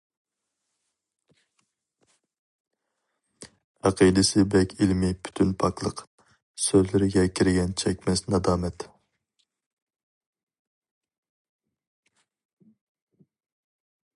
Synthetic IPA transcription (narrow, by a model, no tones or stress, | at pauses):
ɑqʰid̪ɪsɪbɛkʲʰilmɪpʰy̥t̪ʰynpʰɑklˠəq | søzlɪɾɪɡʲɛkʲʰiɾɪɡʲɛnt͡ʃʰɛkʲmɛsnɑd̪ɑːmɛt̪